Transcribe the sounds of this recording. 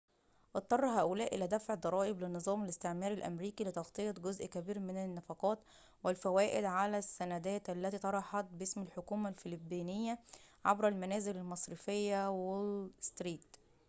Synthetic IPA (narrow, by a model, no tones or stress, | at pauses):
ʔɑt̪ˤːɑrˤːɦæːʔʊlæːʔɪlæːd̪æfʕd̪ˤɑɾˤɑːʔɪblɪnːɨzˤɑːmælɪst̪eʕmæːɾælʔæ̰mɾiːkilɪt̪ɑxt̪ˤɨjɑt̪ˤɡozʔkæbiːɾmɪnænːɑfɑqɑːt̪ | wɪlfæwæːʔɪd̪ʕalæsːænæd̪æːt̪ʔælːæt̪iːt̪ˤɑɾˤɑħɑt̪̚bɪsmælħokuːmælfɪlɪbːiːnɪjːæʕabɾælmænæːzɪlælmɑsˤɾɨfejːæwelst̪ɾiːkt̪